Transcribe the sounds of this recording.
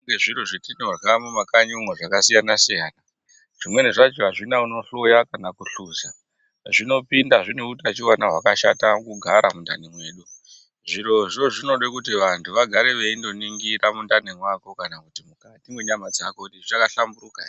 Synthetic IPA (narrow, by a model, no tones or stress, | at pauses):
ŋɡeʐiɾoʐetinewakamumakaɲomwaʐakasijanasijaːna | ʐ̥imwe̞neʐat͡ʃiɦaʐinauno̞ɬo̞jakanakuɬuza | ʐino̞pindaʐinekutiat͡ʃiwanaɦwakaʃa̰takuɡʱaɾamundanemwe̞ːɗu | ʐiɾo̞ʐo̞ʐino̞ɗekutiʋantʰuʋaɡʱaɾe̞ʋe̞indo̞niŋɡiɾamundanemwako̞kanakutimukatimwe̞ɲamad͡zakoutiʐt͡ʃakaɬamburuka